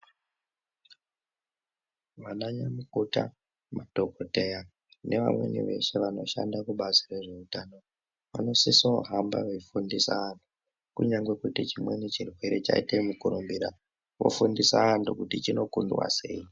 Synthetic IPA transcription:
ʋanaɲamukuta̰ | matoko̞te̞ja | ne̞ʋa̰mwe̞̰nḭʋe̞̰ʃe̞ʋano̞ʃa̰ndakuɓazire̞ʐe̞utaːno̞ | ʋa̰no̞sisoɦamba̰ʋefundisaʋantʰu̥ | kuɲaŋɡwe̞kutit͡ʃimwenit͡ʃirwe̞ɾe̞t͡ʃa̰itemukuɾumbiɾa | ʋo̞̰fundisaʋantukutit͡ʃino̞kundwa̰se̞̰i

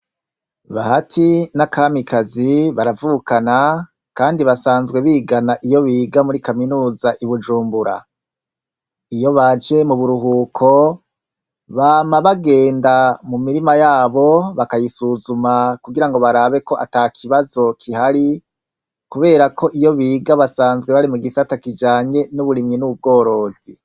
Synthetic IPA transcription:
βaɦatʰinakaːmikaziβaɾavuːkana | kaːndiβasaːnzɡwe̞βiːɡanaʔijo̞βiːɡamuɾikaminuːzaʔiβud͡ʒuːmbuɾa̰ | ijo̞βad͡ʒe̞muβuɾuɦuːkʰo̞ | βaːmaβaɡe̞ːndamumiɾimajaːβo̞βakajisuzumakuɡiɾaŋɡo̞βaɾaːβe̞ko̞ʔataːkʰiβazo̞kʰihaɾi | kuβe̞ːɾako̞ʔijo̞βiːɡaβasaːnzɡwe̞βaɾimuɡisatakid͡ʒaːɲe̞nuβuɾimɲinuub̚ɡo̞ːɾo̞z̥i

